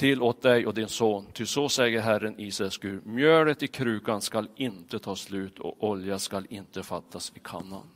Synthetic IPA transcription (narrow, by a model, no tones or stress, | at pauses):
t̪ʰɪlːoːt̪̚d̪ɛjʔɔd̪ɪnsoːnt̪ʰɪsɔsɛjəɾɦæɾːəniːsɛskʉːɾmjøːɭət̪ɪkʰɾʉ̟ːkanskalɪnt̪ət̪ʰɑːslʉ̟ːt̪ʰɔ̰ʔɔljaskalɪnt̪əfat̪ʰːasɪkʰa̰nːa̰n